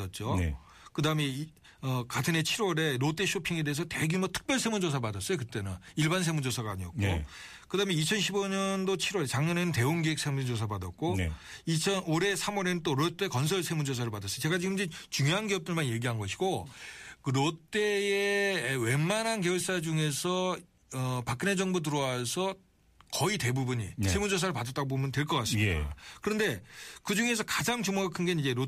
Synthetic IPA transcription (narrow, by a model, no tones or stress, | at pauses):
ʌt̚t͡ɕ͈o̰ | kɯdamei | ʌkatʰɯnet͡ɕʰiɾwʌɾe̞ɾot͈e̞ɕʰopʰiŋe̞dees̬ʰʌte̞ɡumʌtʰɯ̥k̚p͈jʌɭsʰe̞mund͡ʑos̬ʰapadas͈ʌjokɯt͈e̞nɯniɭbans̬ʰe̞mund͡ʑosʰaɡaaɲiʌt̚k͈o̰ | kɯdameit͡ɕʰʌnɕʰiboɲʌndot͡ɕʰiɾwʌɾet͡ɕaŋɲʌne̞nɯnte̞oŋɡiek̚s͈ʰemund͡ʑosʰapadat̚k͈o̰ | it͡ɕʰʌnoɾe̞sʰamwʌɾe̞nɯnt͈oɾot͈e̞kʌns̬ʰʌɭsʰe̞mund͡ʑos̬ʰaɾɯɭpadas͈ʌjot͡ɕe̞ɡat͡ɕiɡɯmid͡ʑit͡ɕuŋjoɦanɡiʌp̚t͈ɯɭmanje̞ɡiɦanɡʌɕʰi̥ɡokɯɾot͈e̞ewe̞manɦankeoɭs͈ad͡ʑuŋe̞sʰʌ | ʌpak͈ɯne̞d͡ʑʌŋbot̬ɯɾʌwasʰʌ | kʌite̞bubuɲḭsʰe̞mud͡ʑos̬ʰaɾɯɭpadat͈aɡobomjʌntwe̞ɭk͈ʌk͈as͈ɯmidakɯɾʌnde̞kɯd͡ʑuŋe̞sʰʌkad͡ʑaŋd͡ʑumʌɡakʰɯnɡenid͡ʑe̞ɾo